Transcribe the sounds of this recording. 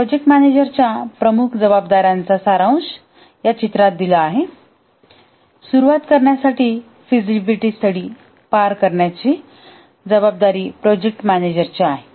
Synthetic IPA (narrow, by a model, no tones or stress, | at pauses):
pɾod͡ʑek̚ʈmæned͡ʑəɾt͡ɕjapɾəmukʰd͡zəbab̚d̪aɾjant͡sasaɾaw̃s | jat͡ɕit̪ɾat̪̚d̪ilaːɦe | suɾuʋat̪kəɾɳjasaʈiː | fid͡zibiʈist̪əɽiː | paɾkəɾɳjat͡ɕi | d͡zəbab̚d̪aɾiːpɾɔd͡ʑek̚ʈmæned͡ʑəɾt͡ɕaaɦe